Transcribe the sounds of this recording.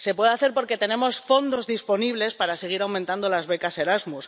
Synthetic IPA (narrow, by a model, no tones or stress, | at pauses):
se̞pwe̞ðeaθe̞ɾpo̞ɾke̞t̪e̞nẽ̞mo̞sfo̞nd̪o̞zðispo̞niβle̞spaɾase̞ɣ̞iɾawmẽnt̪and̪o̞lazβekase̞ɾazmus